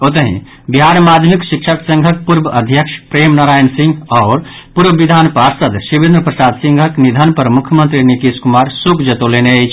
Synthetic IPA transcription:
ot̪̬əɦḭ̃ | biɦaɾmad̪ʱjəmikʃikʃʰəksə̃ŋɡʱək̚puɾbəəd̪ʱjəkʂpɾeːmnaɾaːjnsĩŋɡɔːɾ | puɾbəʋid̪ʱaːnpaɾsəd̪sibĩnd̪ɾəpɾəsaːd̪sĩŋɡʱəknid̪ʱənpəɾmukʰjəmə̃nt̪ɾinikiskumaɾsukʰd͡ʒət̪oleneet͡ʃʰ

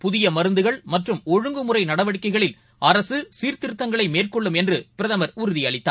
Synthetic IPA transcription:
pʊðɪjɐmɐɾɯnd̪ɯɣɐɭmɐʈrɯmɔɻɯŋɡɯmɯrɐɪnɐɽɐʋɐɽɪkːɐɪɣɐɭɪl | ɐɾɐsɯsiːɾt̪ɪɾɯt̪ːɐŋɡɐɭɐɪmeːrkɔɭːɯmɛndrɯpɪɾɐðɐmɐɾʊɾɯðɪjɐɭɪt̪ːa̰ː

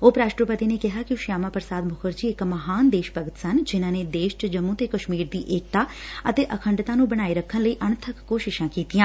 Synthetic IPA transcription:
oːpɾaːsʈoːɾpət̪iːneːkɪɦaːkɪʊʃjaːmãːpəɾsaːd̪mʊkʰəɾd͡ʒiːɪkməɦaːnd̪eːʃpəɡət̪sənd͡ʒɪnãːneːd̪eːʃʈd͡ʒəmːũːt̪eːkəʃmiːɾd̪iːʔeːkt̪aːət̪eːʔəkʰəɳɖt̪ãːnũːbəɽ̃aːiːɾəkʰːənləiːʔənt̪ʰəkːoːʃɪʃãːkiːt̪iːãː

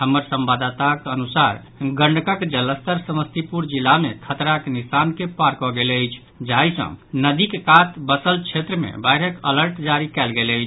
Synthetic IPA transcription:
ɦəmːəɾsəmbad̪at̪akənusaɾ | ɡə̃ɳɖkəkd͡ʒələst̪əɾsəməst̪ipuɾd͡ʒilːamekʰət̪ɾaknisankepaɾkɔɡeləjt͡ʃʰ | d͡ʒaisə̰̃nəd̪ikekat̪bəsəlt͡ʃʰet̪ɾəmḛbajɾəkələɾʈd͡ʒaɾikɛlɡeləjt͡ʃʰ

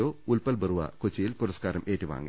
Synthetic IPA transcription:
oːulpɐlbɐruʋɐ̰kot͡ɕːijilpuɾɐskaːɾɐmʔeːtːiʋa̰ːŋːɨ̰

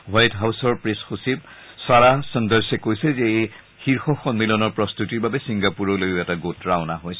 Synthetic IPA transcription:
wajtɦawsɔɹpɹesxusib̚ | saɹasɔndəɹsɛkojsɛzɛej | xiɹxɔxɔnmilɔnɔɹpɹɔst̪utiɹbabɛsiŋɡapuɹɔlojɛtaɡotɹawnaɦojsɛ

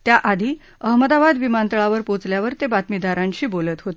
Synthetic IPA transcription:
t̪jaʔad̪ʱiː | əɦməd̪abad̪ʋimant̪əɭaʋəɾpot͡sljaʋəɾt̪ebat̪mid̪ʱaɾãɲt͡ɕiːbolət̪ɦot̪e

